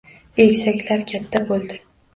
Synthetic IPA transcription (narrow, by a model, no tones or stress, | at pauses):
eɡʲsakʲlaɾkʲʰat̪ʰːabolˠd̪ɪ